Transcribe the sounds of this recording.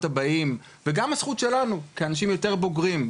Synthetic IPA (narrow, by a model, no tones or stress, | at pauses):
tabaim | veɡamasχut̪ʃe̞lanukeanaʃ̬imjo̞te̞ʁbo̞ɡʁim